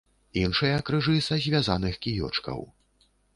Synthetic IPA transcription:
inʂɐjɐkɾɨʐɨsɐzʲvʲazanɨxkʲijɔ̰t͡ʂkɐ̰w

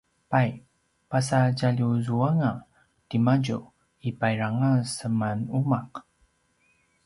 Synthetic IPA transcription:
paj | pasaɟaʎuzuaŋa | timaɟṵ | ipajɾaŋasəmanumaq

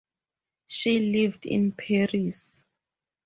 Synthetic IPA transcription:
ʃilivdḭ̃npʰaɹis

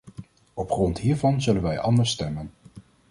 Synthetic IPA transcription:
ɔpχrɔntɦiːɹvɑnzɵlənʋɛjʔɑndəɹstɛmən

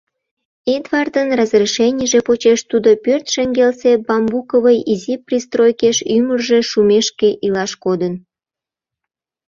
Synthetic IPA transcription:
ed̪vɑrd̪ənrɑzriʃenʲəʒepot͡ɕeʃt̪ud̪opørt̪ʃeŋɡelsebɑmbukoβəjiziprist̪rojkeʃymərʒeʃumeʃkeʔilɑʃkod̪ən

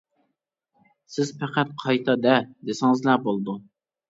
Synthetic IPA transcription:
sɪzpʰæqæt̪̚qʰɑjt̪ʰɑd̪ɛd̪esɪŋɨzlæbolˠd̪u

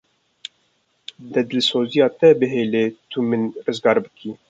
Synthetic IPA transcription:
d̪ɛd̪lsoːzijɑːt̪ɛbɨɦeːleːt̪ʰumɨnrɨzɡɑːɾbɨkʰiː

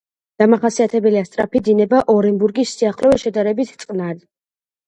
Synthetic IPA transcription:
d̪̥amaχasiat̪ʰɛbɛliast̪ʼɾa̰pʰid̪inɛbaʔɔɾɛmbuɾɡisːiaχlɔvɛʃɛd̪aɾɛbit̪ʰt̪sʼqʼnaɾi

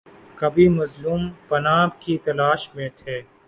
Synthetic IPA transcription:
kɐbʱimɐzluːmpɐnaːbkit̪ɐlaːʃmẽt̪ʰeː

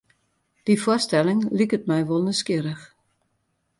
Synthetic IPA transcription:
d̥ifʊstɛlɪŋlikətmɛjʋolˠnəskiəɾəx

